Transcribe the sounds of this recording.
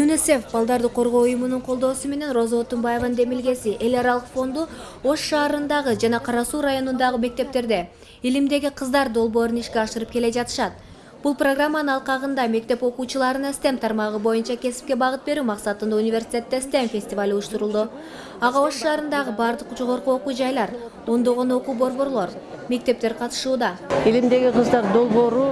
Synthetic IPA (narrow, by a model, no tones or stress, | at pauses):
junʲise̞fbɑlˠd̪ɑɾd̪qʰːo̞ɾʁo̞ːujumunuɴqʰo̞lˠd̪o̞ːsume̞ne̞nro̞zaot̪ombaje̞vɑnɯnd̪e̞milɡe̞siʔe̞lʲɑɾɑlˠɯqfo̞nd̪u | o̞ʃːɑːɾɯnd̪ɑʁɯd͡ʒɑnɑqʰɑɾɑsuːrajo̞nund̪ɑʁɯme̞k̚t̪e̞p̚t̪e̞ɾd̪e̞ | ilimd̪e̞ɡʲiqʰɯzd̪ɑɾd̪o̞lˠbo̞ːɾuniʃkʲeɑʃɯɾɯp̚ke̞le̞d͡ʒɑt̪ɯ̥ʃɑt̪̚ | b̥ulˠproɡramːanɯnɑlˠqɑʁɯnd̪ɑme̞k̚t̪e̞po̞quːt͡ʃulˠɑɾɯnɑst̪emt̪ʰɑɾmɑʁɯbo̞junt͡ʃɑkʲe̞si̥p̚kʲe̞bɑʁɯt̪̚be̞ɾymɑqsɑt̪ɯnd̪unʲivʲe̞rsʲi̥tʲe̞t̪ːest̪emfʲe̞sʲt̪ʲɪvalʲujuʃt̪uɾulˠd̪u | ɑʁɑoʃʃɑːɾɯnd̪ɑʁɯbɑɾd̪ɯqd͡ʒo̞ʁo̞ɾquo̞qud͡ʒɑjlˠɑɾ | o̞nd̪o̞ʁo̞no̞quːbo̞ɾbo̞ɾlˠo̞ɾme̞k̚t̪e̞p̚t̪e̞ɾqʰɑt̪ɯ̥ʃuːd̪ɑilimd̪e̞ɡʲiqʰɯzd̪ɑɾd̪o̞lˠbo̞ːɾu